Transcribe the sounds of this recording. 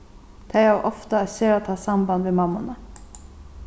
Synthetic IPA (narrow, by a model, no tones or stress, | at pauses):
t̪ʰæɪɑʔɔft̪əæseːɾat̪ʰɑːsɑmbɑnʋeːmɑmʊnə